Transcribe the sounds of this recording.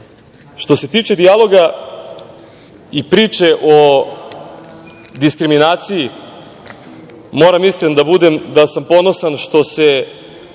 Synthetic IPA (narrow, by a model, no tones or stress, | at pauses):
ʃt̪o̞se̞t̪iːt͡ʃe̞d̪ialˠo̞ɡa | ipɾiːt͡ʃe̞ʔo̞ | d̪iskɾiminaːt̪siji | mo̞ːɾamislend̪abud̪emd̪asampo̞no̞sanʃt̪o̞se